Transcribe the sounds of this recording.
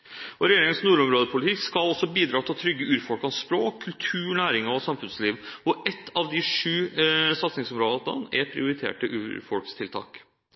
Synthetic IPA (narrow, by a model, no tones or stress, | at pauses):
ʔɔɾɛjeːɾɪŋənsnuːɾɔmɾoːd̪əpʰʊlɪt̪ʰɪkskɑlɔsːɔbiːd̪ɾɑːt̪ʰɪlt̪ʰɾʏɡːəʉːɾfɔlkɑnspɾoːkʰːʉlt̪ʰʉːɳæːɾɪŋɔsɑmfʉnsliːʋɔʔɛt̪ːɑʋd̪ɪʂʉːsɑt̪snɪŋsɔmɾoːd̪ɑə̰nɛpʰɾɪ̰ʊɾɪt̪ʰḛːʈəʔʉ̰ːɾfɔlkst̪ʰɪlt̪ʰɑ̰ːk